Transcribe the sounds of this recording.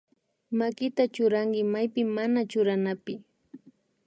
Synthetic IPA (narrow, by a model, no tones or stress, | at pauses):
makɪt̪at͡ʃʊɾaŋkɪmajpɪmanat͡ʃʊɾanapɪ